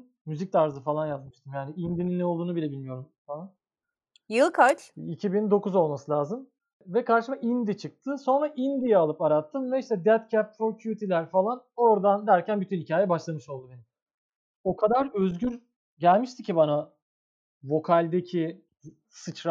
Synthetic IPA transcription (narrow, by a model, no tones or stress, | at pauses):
myzic̚t̪ʰaɾzɯfalˠanjazmɯʃt̪ɯmjaːniind̪ininːɛo̞lˠd̪uːnubilʲɛbilʲmijo̞ɾumfalˠan | jɯlˠkʰat͡ʃicʰibind̪o̞kuzo̞lˠmasɯlʲaːzɯm | vɛkaɾʃɯmaʔind̪it͡ʃʰɯk̚t̪ʰɯso̞nɾaʔind̪ijɛalˠɯpaɾat̪ʰːɯmvɛiʃt̪ʰɛd̪ɛt̪cʰɛp̚ɾocʰyut̪ʰilʲæɾfalˠano̞ɾd̪and̪æɾcʰænbyt̪ʰynhicʰaːjɛbaʃlˠamɯʃo̞lˠd̪ud̪en | o̞kʰad̪aɾø̞zɟyɾ | ɟælʲmiʃt̪ʰicʰːibana | vo̞kʰalʲd̪ecʰi | sɯt͡ʃɾa